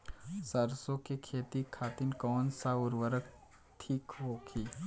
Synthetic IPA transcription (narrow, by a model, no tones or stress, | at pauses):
səɾsõkekʰeːt̪ikʰaːt̪ɪnkɔːnsaʊɾʋəɾək | t̪ʰiːkɦokʰi